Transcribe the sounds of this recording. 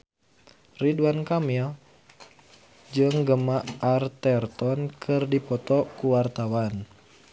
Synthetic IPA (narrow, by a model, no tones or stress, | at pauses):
riduankamil | d͡ʒɨŋɡəmaʔart̪ɛrt̪ɔnkʰɨrdipɔt̪ɔkuwart̪awan